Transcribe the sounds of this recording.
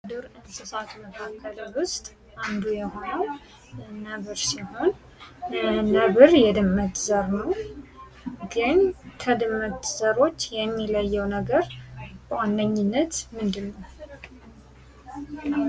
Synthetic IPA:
d̪ɨɾɨnsɨsat̪məkʰakʰːələwʊst̪ʼ | ʔand̪ujɛho̞nəw | nəβɨɾsiho̞n | nəβɨɾjɛd̪ɨmːət̪zəɾnəw | ɡənt̪ʰəd̪ɨmːət̪z̥əɾo̞t͡ʃːjɛmːiləjːɛwnəɡəɾbəwandəɲːɪnːət̪mɨnd̪ɨlːə

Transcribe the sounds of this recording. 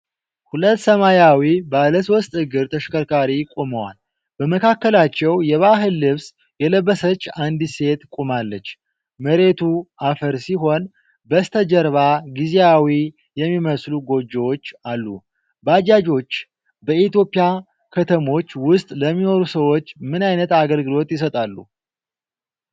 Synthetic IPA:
hulət̪ːsəmajawibaləs̬ost̪ʼhɨɡɨɾt̪ʰəʃkʰəɾkʰaɾikʼoməwa̰l | bəməkʰakːəlat͡ʃːɛwjɛβaɦɨlːɨβs | jɛləbːəsət͡ʃːand̪ɨse̞t̪kʼumalːət͡ʃː | məɾe̞t̪ʰuʔafəɾsiɦo̞n | bəst̪ʰəd͡ʒəɾβaɡizeawi | jɛmːiməsluɡo̞d͡ʒːɛwot͡ʃːalːu | bəad͡ʒad͡ʒo̞t͡ʃː | bəit̪jo̞pʼɪja | kʰət̪ʰəmo̞t͡ʃːwʊst̪ʼləmːino̞ɾusəwo̞t͡ʃːmɨnajnət̪aɡəlɡɨlo̞t̪jɪs̬ət̪ʼalːṵ

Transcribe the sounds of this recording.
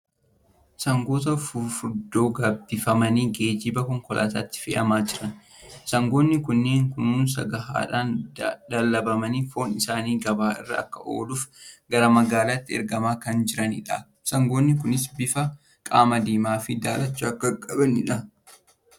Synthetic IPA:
sɐŋɡo̞ːt̪ɐfʊfʊɾd̪o̞ːɡaːbːɪfɐmɐniːɡe̞ːd͡ʒɪbɐkɔŋkɔlʔa̰ːt̪aːt̪ːɪ̥fɛ̰ʔɐmaːd͡ʒɪɾɐn | sɐŋɡo̞ːnːɪkʊnːe̞ːŋkʊnuːns̬ɐ̰ɡɐɦa̰ːᶑaːnd̪ɐlːɐbɐmɐniːfo̞ːnɪsaːniːɡɐbaːʔɪ̰rːɐ̰ɐkːɐʔo̞̰ːluːfɡɐɾɐmɐɡaːlat̪ːɪɛ̰ɾɡɐmaːkɐnd͡ʒɪɾɐnɪ̰ᶑa̰ | sɐŋɡoːnːɪk̬ʊnɪsbɪfɐ | kʼaːmɐd̪iːmaːfɪd̪aːlɐt͡ʃːaɐkːɐkʼːɐbɐnɪᶑɐ

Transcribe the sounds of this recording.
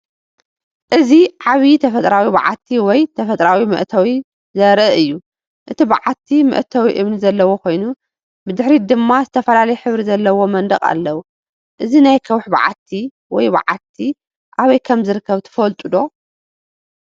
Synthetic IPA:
ʔɨziʕaβit̪ʰɐfɐt̪ʼɾawiba̰ʕa̰t̪ʰːiwɔjt̪ʰɐfɐt̪ʼɾawimɨ̰ʔt̪ʰɐwi | zɐɾɐɨjːu | ʔɨt̪ʰibaʕat̪ʰːimɨ̰ʔt̪ʰɐwiʔɨβnizɐlːɐwo̞kʰo̞jnu | bɨd̪ɨħɾid̪ɨmːazɨt̪ʰɐfɐlalɐjħɨβɾizɐlːɐwo̞mɐnd̪ɐkʼa̰lːɐwu | ʔɨzinajkʰɐwħba̰ʕa̰t̪ʰːi | wɔjba̰ʕa̰t̪ʰi | ʔaβɐjkʰɐmzɨɾɨkʰːɐβt̪ʰɨ̥fɐlt̪ʼud̪o̞

